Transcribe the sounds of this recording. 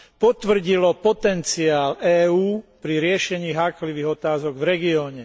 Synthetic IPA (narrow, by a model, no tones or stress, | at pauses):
pɔt̪ʋr̩ɟilɔpɔt̪ɛnt͡siaːlɛːuːpɾiɾɪɛʃɛɲiːɦaːkliʋiːɣɔt̪aːzɔɡvɾɛɡiɔːɲɛ